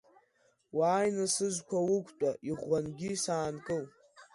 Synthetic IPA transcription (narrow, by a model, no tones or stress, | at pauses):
waːjnɨsɨzʷkʷʰawʊkʷʰtʷʼaʔiʁʷːanɡʲisaːnkʼɨl